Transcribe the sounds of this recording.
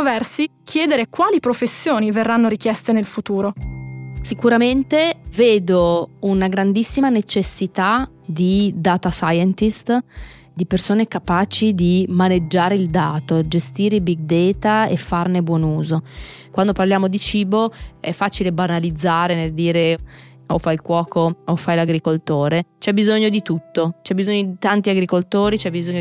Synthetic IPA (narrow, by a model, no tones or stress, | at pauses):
ovɛrsikʰjɛːd̪eɾekwaːlipɾofesːjoːniverːanːoɾikjɛst̪enelfut̪uːɾo | sikuɾament̪eveːd̪ounaɡɾand̪isːimanet͡ʃesːit̪a | d̪id̪aːt̪asajɛnt̪ist̪ | d̪ipersoːnekapaːt͡ʃid̪imaned͡ʒːaːɾeild̪aːt̪od͡ʒest̪iːɾeibiɡ̚d̪ɛːt̪aefːarnebwɔnuːzokwand̪oparljaːmod̪it͡ʃiːboɛfːaːt͡ʃilebanalid̪zːaːɾeneld̪iːɾe | ofajilkwɔːkoofːajlaɡɾikolt̪oːɾet͡ʃɛbizoɲːod̪it̪ut̪ːot͡ʃɛbːizoɲːod̪it̪ant̪iaɡɾikolt̪oːɾit͡ʃɛbizoɲːo